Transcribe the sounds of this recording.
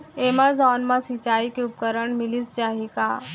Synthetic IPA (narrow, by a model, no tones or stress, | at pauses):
eːmazɔːnmãsit͡ʃaːikeʊp̚kəɾəɳmɪlist͡ʃaːɦikaː